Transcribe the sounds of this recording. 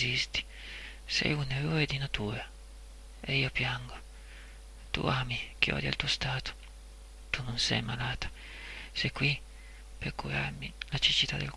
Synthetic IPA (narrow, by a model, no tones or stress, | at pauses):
ist̪i̥ | sɛ̰juneroːɾed̪inat̪uːɾa | eiːopjaŋɡo | t̪ṵaːmik̟iɔ̰ːd̪ja̰lt̪uost̪aːt̪o̥ | t̪unːonsɛ̰jmalaːt̪ḁ | sɛjkwi | peɾkuɾa̰ɾmilat͡ʃit͡ʃit̪ad̪el